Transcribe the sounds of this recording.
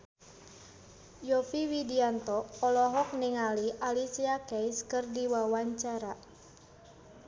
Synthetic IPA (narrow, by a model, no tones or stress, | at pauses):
jɔfiwidiant̪ɔːlɔɦɔk̚niŋaliʔalisiakɛjskɨrdiwawaɲt͡ʃaɾa